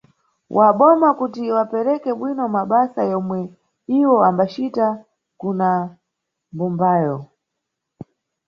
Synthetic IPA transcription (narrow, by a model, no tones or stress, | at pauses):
wʔaɓɔmakutiwapɛɾɛkɛɓwinɔmaɓasajɔmwɛ | iwɔambat͡ʃita | kuna | mbumbaːjɔ